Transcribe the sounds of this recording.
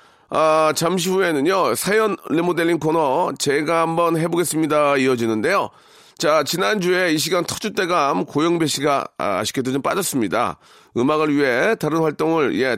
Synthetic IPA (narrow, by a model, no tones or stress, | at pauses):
at͡ɕamɕ̬ʰiue̞nɯnjosʰajʌnlemode̞ʎːinkʰonʌt͡ɕe̞ɡaɦambʌnɦe̞boɡe̞s͈ɯmɲidaiʌd͡ʑinɯnde̞jo | t͡ɕat͡ɕinand͡ʑue̞iɕ̬ʰiɡantʰʌk̚t͡ɕ͈ut͈e̞ɡamkojʌŋbe̞ɕʰiɡa̰ːɕʰi̥kedod͡ʑomp͈ad͡ʑʌs͈ɯmɲida̰ | ɯmaɡɯɭɥiɦe̞taɾɯnɸwaɭt͈oŋɯɭje̞